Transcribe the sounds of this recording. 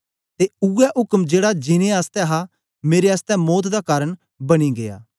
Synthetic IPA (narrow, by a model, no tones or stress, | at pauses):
t̪eʊɛʔʊkəmd͡ʒeːɽad͡ʒɪnẽaːst̪ɛɦa | meːɾeaːst̪ɛ̃mɔːt̪d̪akaːɾəɳ | bɐɽ̃iɡeja̰ː